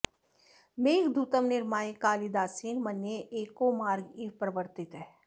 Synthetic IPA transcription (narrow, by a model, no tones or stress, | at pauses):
meːɡd̪ʱut̪əmnɪɾmaːjekaːlid̪aːsiːnmɐnjeʔeːkomaːɾɡipɾəʋəɾt̪ɪt̪ɦɛː